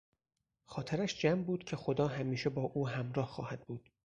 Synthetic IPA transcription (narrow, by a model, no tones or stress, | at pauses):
xɒːt̪ʰeɾæʃd͡ʒæmbuːd̪̥cʰe̞xo̞d̪ɒːɦæmiːʃe̞bɒːʔuːɦæmɾɒːhxɒ̰ːhæd̪̚buːd̪̥